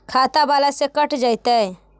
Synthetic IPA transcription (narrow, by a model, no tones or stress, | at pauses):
kʰaːt̪abaːlasekəʈd͡ʒaːjt̪ae